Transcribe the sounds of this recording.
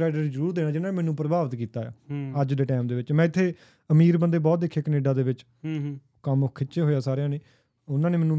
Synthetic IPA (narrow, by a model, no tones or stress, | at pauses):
ɾaːɪɖəɾizəɾuːɾd̪eːnaːd͡ʒɪnãːneːmɛːnũːpɾəbaːʋət̪kiːt̪aːja̰ːəd͡ʒd̪eːʈɛːmd̪eːʋɪt͡ʃmɛ̃ːɪt̪ʰːeː | əmiːɾbənd̪eːbɔːt̪̚d̪eːkʰːeːkəneːɖãːd̪eːʋɪt͡ʃ | kəmkʰːɪt͡ʃːʃeːɦoːjaːsaːɾejãːneː | ʊnãːneːmɛːnũ